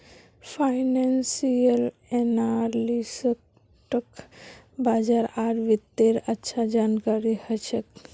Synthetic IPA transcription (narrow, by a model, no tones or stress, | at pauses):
pʰajnansijəl | enaɾlisək | ʈəkbad͡ʒaɾaɾʋit̪ːeɾətːʃʰad͡ʒankaɾihət͡ʃʰək